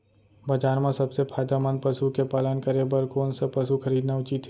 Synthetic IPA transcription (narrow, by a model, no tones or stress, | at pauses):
bɐd͡ʒaːɾmãsɐbsepʰaːjd̪amənpɐsukepaːlənkɐɾebəɾkoːnsepɐsukʰɐɾiːd̪naʊt͡ʃit̪